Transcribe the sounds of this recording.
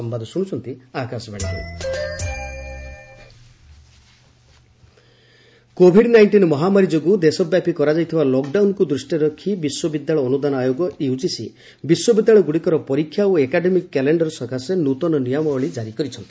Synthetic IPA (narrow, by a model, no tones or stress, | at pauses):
ɔmbad̪ʱɔsuɽ̃ut͡ʃʰɔnt̪iakasɔbaɽ̃it̪ʰḭ | kobʱiɖnajɳʈinɔmɔɦamaɾid͡ʒoɡud̪esɔbjapikɔɾad͡ʒajt̪ʰibalɔkɖawnɔkud̪ɾusʈiɾɔkʰibiswɔbid̪jaɭɔːnud̪anɔajoɡɔʔeut͡ʃisḭ | biswɔbid̪ːjaɭɔɡuɽikɔɾɔpɔɾikʰːjaoekaɖemikːɛleɳɖɔɾsɔkasenut̪ɔnɔnijɔmɔɔɭid͡ʒaɾikɔɾit͡ʃʰɔnt̪i̥